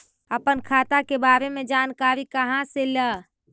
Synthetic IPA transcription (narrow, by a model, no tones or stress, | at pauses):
əpənkʰat̪akebaɾemed͡ʒankaɾikəɦãselə